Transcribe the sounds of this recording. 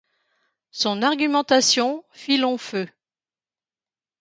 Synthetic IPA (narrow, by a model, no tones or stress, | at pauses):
sɔ̃naʁɡʲymɑ̃t̪asjɔ̃filɔ̃fø